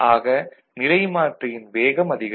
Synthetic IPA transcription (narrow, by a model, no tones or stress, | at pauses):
ʔaːɣɐ | nɪlɐɪmaːʈrɐjɪnʋeːɣɐmɐðɪɣɐ